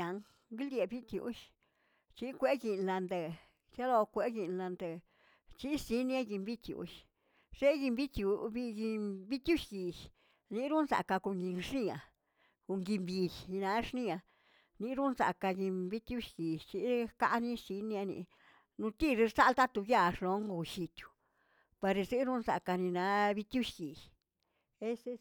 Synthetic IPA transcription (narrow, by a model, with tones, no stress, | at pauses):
a˨ŋ | ɡi˦ld̪je˨bi˦t̪jṵ˧˦ʃ | t͡ʃi˧kʷe˦ɡi˨nla˧nd̪e˨ | t͡ʃa˦lo˧kʷe˧˦ɡi˨nla˨nd̪e˨ | t͡ʃi˦si˧˦nja˦ɡi˧mbi˦t̪ʲjṵ˨ʃ | ʂe˦ɡi˧mbi˦t̪ju˧bi˧ɡi˧bi˦t̪ʲju˦ʃɡi˨ʃ | ni˧ɾu˦nsa̰˨ka˧ko˨ŋɡi˧ŋʂni˧a̰˨ | ku˧ŋɡi˧mbi˧jnã˧˦ʂnĩ˦˧a˧ | nĩ˧˦ɾu˦nsa̰˧ka˧ɡi˧mbi˦t̪ʲju˦ʃɡi˨t͡ʃi˧ʔka˦ʔnĩ˦si˧˦ni˧a˧nḭ˧ | nũ˧t̪i˦˧˨ɾe˧ɾsa˦˧lt̪a˦t̪u˧ɡja˦˧˨ʂlo˨˦ŋɡu˧ʃi˧t̪ju̥˧ | pa˧ɾe˧se˦ɾu˦nsa̰˨ka˧nĩ˧nã˧˦βi˧t̪ʲju˦ʃɡi˨j | e˦se˧